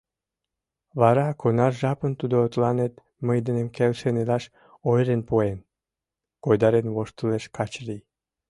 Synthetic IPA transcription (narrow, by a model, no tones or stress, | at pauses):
βɑɾɑkʰonɑrʒɑpənt̪ud̪oːt̪lɑnet̪ | məjd̪ənemkelʃenelɑʃ | ojɾenpoen | kojd̪ɑɾenβoʃt̪əleʃkɑt͡ɕlij